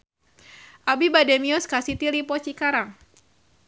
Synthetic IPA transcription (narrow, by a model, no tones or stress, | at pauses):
ʔabibademiɔskasit̪iɾipɔt͡ʃikaɾaŋ